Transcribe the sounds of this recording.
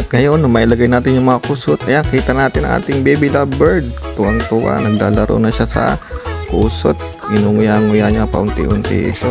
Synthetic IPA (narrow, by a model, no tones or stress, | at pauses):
t̪̚ŋɐjonːʊmɐʔɪlɐɡajnaːt̪ɪnjʊŋmɐŋakuːsot̪̚kɐjaŋkiːt̪ɐnaːt̪ɪnɐ̰ŋʔa̰ːt̪ɪŋbɛbɪlabɛɹd̪̚t̪ʊʔaŋt̪ʊʔa̰nɐɡ̚la̰ːlɐɾʔo̰nɐʃasɐ̰kuːso̰t̪̚ | ɡɪnuːŋʊjaŋʊjaːɲapɐ̰ʔʊnt̪ɪ̰ʔʊnt̪ɪ̰ʔɪ̰t̪o